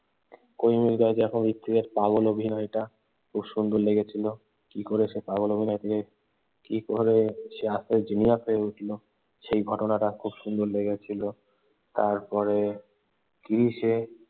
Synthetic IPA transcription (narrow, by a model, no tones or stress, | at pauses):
kojmilɡɔed͡ʑɛkʰonbitt̪ːid̪eɾpaɡolobʱinɔjʈa | kʰubʃund̪oɾleɡet͡ɕʰilo | kikoɾeʃepaɣolobʱinɔjt̪ʰeke | kikoɾeʃeast̪ʰeɾd͡ʑinijat̪ʰoeuʈʰlo | ʃejɡʱɔʈonaʈakʰubʃund̪oɾleɡet͡ɕʰilo | t̪aɾpɔɾe | kiɾiʃe